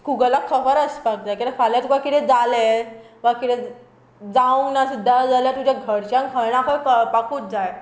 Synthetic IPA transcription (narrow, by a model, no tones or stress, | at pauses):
kuɡəlakʰəʋəɾəspak̚t̪akit̪ɛfʰaljat̪ukakiʈ̪ʰɛ̃d͡zale | ʋakit̪ʰɛ | d͡zaunasud̪ʱːad͡zaljat̪ud͡ʑjaɡʱəɽt͡ɕãŋkʰəɭɳ̃ãkʰəjppakuːt̪̚d͡zaj